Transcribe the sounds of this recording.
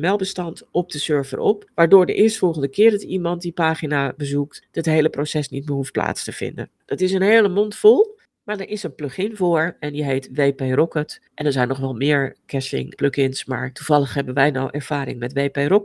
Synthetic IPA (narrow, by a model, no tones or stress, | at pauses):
mɛlˠbəstɑntɔp̚dəsøɹvə̰rʔɔ̰pʋaːɹdʊːɹdə̰ʔɪːɹstfɔlˠχəndəkɪːrdətimɑntdipaːχinabəzuktdətɦejləprosɛsnitməɦuft̚pla̰ːtstəv̥ɪ̰ndə̰nd̥ɑtɪsənɦejləmɔntfɔlˠ | maːɹdɛɹʔɪsənpløχɪnvʊːɹɛndiɦejtʋejpejrɔkətʔɛnəɹzɛjnɔχʋɛlˠmɪːɹkɛsɪ̰ŋpløkɪnsma̰ːɹtuv̥ɑləχɦɛbənʋɛjnɔwʔɛɹv̥aːɾɪ̰ŋmɛtʋejperɔk